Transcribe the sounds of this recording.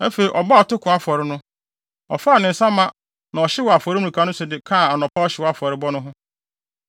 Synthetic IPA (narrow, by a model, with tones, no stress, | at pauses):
æ˦fe˨i˨ʔɔ˨ba˦ɔ˨tʊ˦kʰʊ̃˨a˨fɔ˨ɾɪ˦nʊ̃˦ | ɔ̰˨faː˦˨nɪ̃˨n̩˨sã˦mã˦ | nã˨ɔ˨ɕɪ˦wɔ˨a˨fɔ˨ɾi˦mũ˨ũ˨kʰa˦nʊ̃˦sʊ˨dɪ˨kʰa˦˨a˨nɔ̃˨pʰa˦ɔ˦ɕɪ˨wɔ˦a˦fɔ˨ɾɪ˦bɔ˦nʊ̃˦ɦʊ̃˦